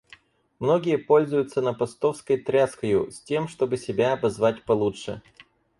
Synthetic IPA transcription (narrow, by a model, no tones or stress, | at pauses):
mno̞ɡʲɪjəpo̞lʲzʊjʊt̪sənəpɐst̪o̞fskəjt̪ɾʲaskəjʊ̰sʲtʲe̞mʂt̪o̞bɨsʲɪbʲaɐbɐzvatʲpɐlˠutʂɨ̰